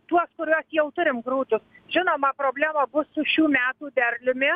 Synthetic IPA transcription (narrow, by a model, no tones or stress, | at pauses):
t̪uɔskʊɾʲuɔsjɛʊt̪ʊɾʲɪmɡɾuːt̪ʊs | ʒʲɪnoːmɐpɾoːbʲlʲæːmɐbʊsʊʃʲuːmʲæːt̪uːd̪ʲɛɾʲlʲʊmʲɪ